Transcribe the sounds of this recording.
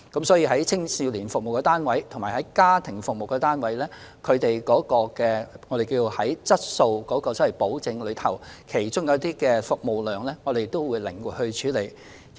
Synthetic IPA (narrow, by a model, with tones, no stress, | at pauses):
kɐ˨˥msɔː˨˥jiː˧ɦɐ˨˥jt͡sʰɪ˥ŋsiː˧wliː˨˩nfʊ˨k̚mo˨˩wkːɛ˧t̪aː˥nwɐ˨˥jt̪ʰʊ˨˩ŋmaː˨˩hɐ˨˥jkaː˥t̪ʰɪ˨˩ŋfʊ˨k̚mo˨wkːɛː˧t̪aː˥nwɐ˨˥jlɛː˥kʰɵ˨˧ɥt̪e˨jkɔː˨˥kɔː˧kɛː˧ŋɔː˨˧ɾe˨jkiː˧wo˨˧hɐ˨˥jt͡sɐ˥t̚so˧wkɔː˨˥kɔː˧sɔ˨˥wɐ˨˩po˨˥wt͡sɪ˧ŋlɵ˨˧˥t̪ʰɐ˨˩wkʰe˨˩jt͡ʃʊ˥ŋjɐ˨˧˥t̪iː˥kɛː˧fʊ˨k̚mo˨wlœː˨˩ŋlɛː˥ŋɔː˨˧d̪e˨jt̪ːo˥wwuː˨˧jlɪ˨˩ŋwuː˨˩hɵ˧ɥt͡ʃʰyː˨˥le˨˩j